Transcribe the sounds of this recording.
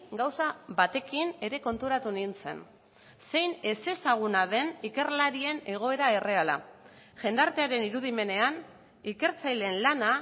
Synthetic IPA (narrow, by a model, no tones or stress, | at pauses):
ɡawsaβat̪e̞kine̞ɾe̞ko̞nt̪uɾat̪unint͡se̞̰n | se̞jne̞se̞saɣ̞unaðe̞nike̞ɾlaɾie̞ne̞ɣ̞o̞e̞ɾae̞re̞ala̰ | ʝe̞nd̪aɾt̪e̞aɾe̞niɾuð̞ime̞ne̞an | ike̞ɾt͡sajle̞nlana